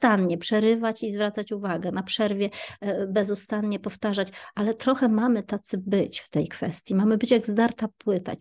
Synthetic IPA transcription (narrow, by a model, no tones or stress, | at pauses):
st̪anɲɛpʂɛɾɘvat͡ɕizvɾat̪sat͡ɕuvaɡɛnapʂɛɾvʲjɛbɛzust̪anɲɛpɔft̪aʐat͡ɕʔalɛt̪ɾɔxɛmamɘt̪at̪sɘbɘt͡ɕft̪ɛjkfɛ̰st̪ʲjimamɘbɘt͡ɕjaɡzd̪aɾt̪apwɘt̪a̰t͡ɕ